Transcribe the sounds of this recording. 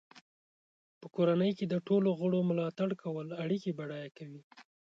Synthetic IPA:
pəkoɾanəjked̪əʈoloɣəɽomʊlɑt̪aɽkawəlaɽikibaɽɑjakawi

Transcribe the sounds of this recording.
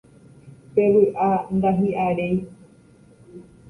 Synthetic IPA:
peʋɨʔand̪aɦĩʔaɾej

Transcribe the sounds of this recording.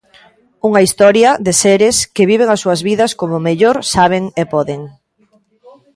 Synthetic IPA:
uŋɐist̪ɔɾjɐðɪseɾɪskɪβiβ̞eŋɐsːuɐzβiðɐskomʊmeʎoɾsaβ̞eŋepɔðeŋ

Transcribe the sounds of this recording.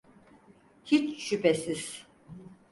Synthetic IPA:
hit͡ʃʃypʰesiz̥

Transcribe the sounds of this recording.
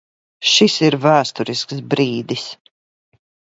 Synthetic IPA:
ʃisiɾvæːst̪uɾisks̬bɾiːd̪is

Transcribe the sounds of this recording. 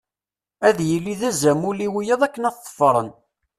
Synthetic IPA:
æðjəlːiðæzæmʊliwijəðˤækːənæθːˤə̥fːɾˤə̰n

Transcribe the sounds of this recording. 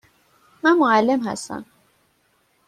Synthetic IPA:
mænmoælːe̞mhæ̰st̪æ̰m

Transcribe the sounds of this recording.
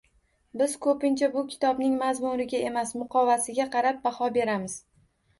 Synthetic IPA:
bɪzkʰɵpɪnt͡ʃʰabʊkʲʰɪ̥t̪ʰɒbnɪŋmazmuɾɪɡʲae̞masmʊqʰɒvasɪɡʲaqʰɑɾap̚bahɒbe̞ɾamɪz̥

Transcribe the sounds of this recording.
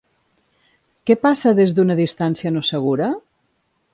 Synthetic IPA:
kɛpasəðezðunəðist̪ansiənosəɣ̞uɾə

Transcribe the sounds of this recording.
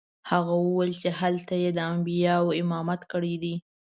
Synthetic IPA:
haɣawəwalt͡ʃeɦalt̪ajed̪əambijɑwɪmɑmat̪kəɽid̪i

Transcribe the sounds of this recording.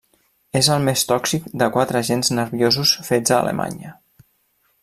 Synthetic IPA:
ezəlˠmest̪ɔksikd̪əkwat̪ɾəʒenznəɾβjozusfed͡zə̰ːlʔə̰mʔa̰ɲə

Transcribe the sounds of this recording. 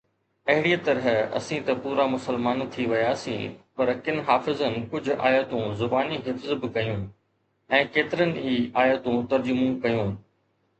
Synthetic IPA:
pɐɦɪɽiːt̪ɐɾəɦɐ̰sĩt̪ɐpuːɾamʊsəlmaːnt̪ʰiʋɐjaːsĩːpɐɾkɪnɦaːfɪzənɪ̆kʊd͡ʑʱʊ̆ʔa̰ːjət̪ũzʊbaːniɦɪfzbɪkɐjũ | ɛ̃ːkeːt̪ɪɾənɪ̆iːaːjət̪ũt̪ɐɾd͡ʑʊmũkɐjũː

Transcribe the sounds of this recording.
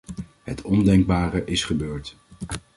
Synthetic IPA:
ɦətʰɔndɛŋɡ̚baːrəʔɪsχəbøːɹt

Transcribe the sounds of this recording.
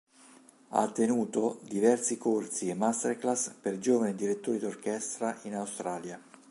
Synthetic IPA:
a̰t̪ːenuːt̪od̪ivɛrsikorsiemːast̪erklasperd͡ʒoːvanid̪iɾet̪ːoːɾid̪ork̟ɛst̪ɾaʔinawst̪ɾaːlja

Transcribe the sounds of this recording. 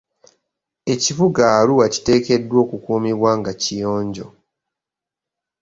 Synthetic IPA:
e̞civuɡaːluwaci̥te̞ːke̞dːwo̞ːkukuːmiβwaːŋɡacijoːɲɟo̞̰

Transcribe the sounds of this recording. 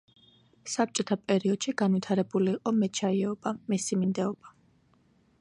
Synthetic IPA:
sap̚t͡ʃʼɔt̪ʰapʼɛɾiɔd̪̥ʃiɡanvit̪ʰaɾɛbuliːqʼɔmɛtt͡ʃʰaiɛɔbamisimind̪ɛɔba

